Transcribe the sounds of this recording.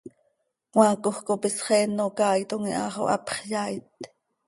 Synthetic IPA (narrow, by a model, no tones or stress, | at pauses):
wɑːkoχkopisχɛːnːokɑːjt̪oŋḭʔɑ̰ːχo̰ʔɑ̰pχjɑːit̪